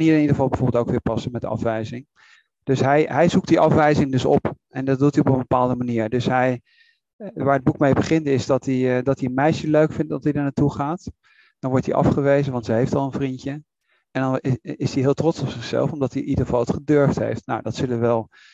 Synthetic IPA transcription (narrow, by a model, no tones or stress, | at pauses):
niɹɪnidəχəvɑlˠbəvoːbɪlˠoʊwkʋɪːɹpɑsəmɛtdəɑ̰fʋɛjzɪŋ | d̥ɵsɦɛjɦɛjzuk̚tdiʔɑfʋɛjzɪŋdɵsɔ̰pʔɛndɑt̚dutiɔpə̃nbəpaːlˠdəmaniːɹdɵsɦɛj | ʋaːɹəd̚bukmejbəχɪntɪzdɑtidɑtiənmɛjʃəløɥkfɪntɑsidəɹnatuχaːt | d̥ɑnʋɔɹtiʔɑ̰fχəʋejzəʋɑntsəɦejftɑ̰lˠənvrintə | ɛndɑnɪsdiɦɪːlˠtrɔtsɔpsɪχsɛ̰lˠfɔmdɑtinidəχəv̥ɑlˠətχədøɹftɦḛjftna̰wdɑtsɵləʋəʋɛlˠ